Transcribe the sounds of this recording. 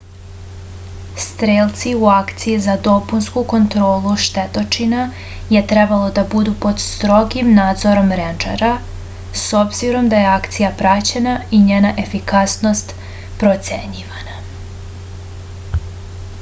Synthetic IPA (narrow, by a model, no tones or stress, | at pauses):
st̪ɾeːlt̪siuakt̪sijizad̪o̞punskuko̞nt̪ɾoːlˠuʃt̪et̪o̞t͡ʃina | je̞t̪ɾebalˠo̞d̪abud̪upo̞d̪st̪ɾo̞ɡimnaːd̪zo̞ɾo̞mɾend͡ʒḛɾa | so̞bziɾo̞md̪ajeakt̪sijapɾat͡ɕe̞naiɲeːnaʔe̞fikasno̞st̪ | pɾot̪sḛɲiʋana